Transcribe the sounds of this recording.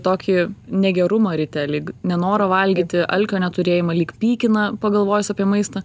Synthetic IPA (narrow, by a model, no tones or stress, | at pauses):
t̪oːkʲinʲɛɡʲɛɾʊmɐɾʲɪt̪ʲɛlʲiːknʲɛnoːɾɐʋɐlʲɡʲiːt̪ʲɪʔɐlʲkʲoːnʲɛt̪ʊɾʲeːjɪmɐlʲiːkpʲiːkʲɪnɐpɐɡɐlˠʋoːjʊsʲɑːpʲiɛmɐɪst̪ɐ